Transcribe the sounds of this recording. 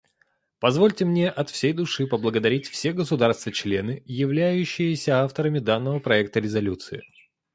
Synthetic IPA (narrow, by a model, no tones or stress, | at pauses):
pɐzvo̞lʲtʲɪmnʲe̞ʔɐt̪fsʲejd̪ʊʂɨpəblˠəɡəd̪ɐɾʲitʲfsʲeɡəsʊd̪arst̪vət͡ɕlʲe̞nɨɪjɪvlʲæjʉɕːɪjɪsʲəaft̪əɾəmʲɪd̪anːəvəpɾɐɛk̚t̪əɾʲɪzɐlʲut̪sɨɪ